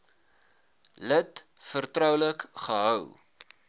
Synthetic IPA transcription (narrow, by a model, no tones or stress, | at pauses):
lətfərtɾœwləkχəɦœw